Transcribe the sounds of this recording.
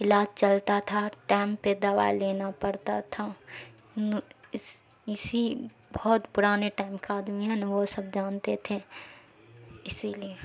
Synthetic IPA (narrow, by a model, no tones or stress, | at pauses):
ɪlaːd͡ʒt͡ʃɐlt̪at̪ʰaʈaːmped̪ɐʋa̰leːnapɐɽt̪at̪ʰa | n | ɪsi | bɔːt̪bʊɾaːneʈaːɪmkaaːd̪miɦɛnʋosɐbd͡ʒaːnt̪et̪ʰe | ɪsilie